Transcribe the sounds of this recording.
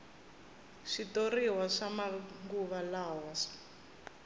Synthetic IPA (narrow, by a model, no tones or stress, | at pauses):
ʂitoriwaʂamaŋɡuβalawaʂḁ